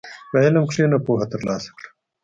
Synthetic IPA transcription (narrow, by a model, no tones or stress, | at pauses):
wɐelɐmkʂeːnɐpoːɦɐt̪ɐɾlɑːsɐ̥kɽḁ